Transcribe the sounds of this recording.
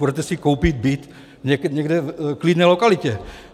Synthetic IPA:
udɛt̪ɛsɪkowpid̪̚bit̪ | ɲɛkɲɛɡdɛklidnɛːlokalɪcɛ

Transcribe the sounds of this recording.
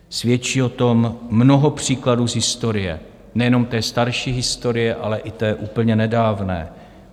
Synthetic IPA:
svjɛt͡ʃiːot̪o̞mːnoɦopr̝̥iːkladuːzɦɪst̪o̞ɾɪjɛ̰ | nɛjɛno̞mt̪ɛːst̪aɾʃiːɦɪst̪o̞ɾɪjɛʔalɛʔɪt̪ɛːʔuːpl̩ɲɛnɛdaːvnɛ̰ː

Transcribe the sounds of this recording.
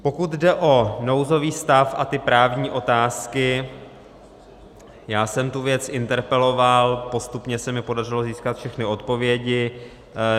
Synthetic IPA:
po̞kut̪dɛʔo̞no̞wzo̞viːst̪afʔa̰t̪ɪpɾaːvɲiːʔo̞t̪aːskɪ | jaːsɛmt̪uvjɛt͡sɪnt̪ɛɾpɛlo̞valpo̞st̪upɲɛsɛmɪpo̞dar̝ɪlo̞ziːskat̪fʃɛxnɪo̞t̪po̞vjɛɟɪ

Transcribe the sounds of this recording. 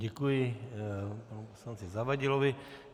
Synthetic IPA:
ɛkujɪ | panuposlant͡sɪzavaɟɪlovɪ

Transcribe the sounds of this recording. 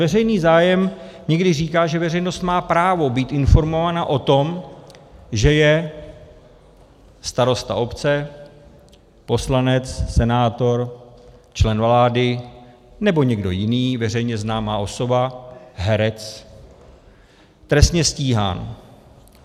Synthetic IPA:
vɛrɛjniːzaːjɛmɲɛɡdɪriːkaːʒɛvɛrɛjno̞st̪maːpɾaːvo̞biːt̪ɪnfo̞ɾmo̞vaːnaʔo̞t̪o̞m | ʒɛjɛ | st̪aɾo̞st̪a̰o̞pt͡sɛ | po̞slanɛt͡ssɛnaːt̪o̞ɾ | t͡ʃlɛnvlaːdɪ | nɛboɲɛɡdo̞̰jɪniːvɛr̝ɛjɲɛznaːmaːʔo̞so̞baɦɛɾɛt͡s | t̪ɾɛst̪ɲɛsciːɦa̰ːn

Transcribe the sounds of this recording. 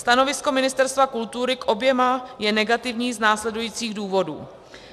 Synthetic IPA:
st̪ano̞vɪsko̞mɪnɪst̪ɛɾst̪vakult̪uɾɪkʔo̞bjɛmajɛnɛɡat̪ɪvɲiːznaːslɛdujiːt͡siːɣduːvo̞dṵː

